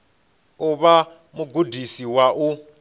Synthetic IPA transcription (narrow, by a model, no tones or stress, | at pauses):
uβa | muɡudisiwaʔu